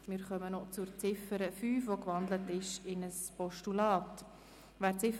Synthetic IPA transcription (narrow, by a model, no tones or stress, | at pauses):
mɪɾχœmənɔt͡sʊɾt͡sɪfəɾəfyːfʋokvɑndlətɪʃɪnəspɔʃtulɑːt | vɛːɾt͡sɪf